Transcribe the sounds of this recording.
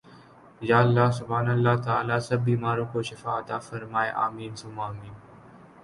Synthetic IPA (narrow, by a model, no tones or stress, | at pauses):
jaːəlːaːsʊbʱaːnəlːaːt̪aːlaːsɐbːiːmaːɾõːkoːʃɪfaːt̪aːfɐɾmaːeʔa̰ːmiːnsʊmaːmiːn